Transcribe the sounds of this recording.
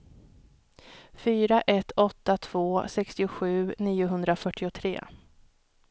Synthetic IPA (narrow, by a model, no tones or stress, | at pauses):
fyːɾaʔɛt̪ʰːɔt̪ːat̪ʰv̥oːsɛkst̪ɪʊɧʉ̟ːniːʊɦɵnd̪ɾafœʈʰːɪʊt̪ʰɾḛː